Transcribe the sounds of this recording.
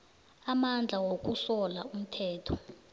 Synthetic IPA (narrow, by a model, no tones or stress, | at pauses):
amand͡ɮʱawok̬ʼusɔlaum̩tʰɛːtʰɔ